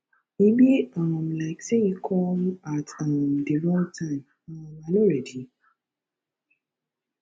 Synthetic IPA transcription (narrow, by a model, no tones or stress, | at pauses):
ibiɔmlaɪksejikʰɔ̃matʌmdiɹɔ̃tʰãɪ̃m | ɔmanoɾɛdi